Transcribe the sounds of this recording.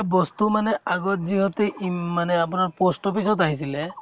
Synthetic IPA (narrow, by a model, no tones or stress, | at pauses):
bɔst̪umanɛaɡɔt̪ziɦɔt̪eimanɛapunaɹpɔsʈɔpisɔt̪aɦisile